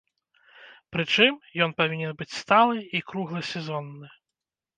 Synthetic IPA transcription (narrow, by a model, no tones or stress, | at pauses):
pɾɨt͡ʂɨmjɔnpavʲinʲɛnbɨt͡sʲst̪alˠɨikɾuɣlˠɨsʲɛzɔnːɨ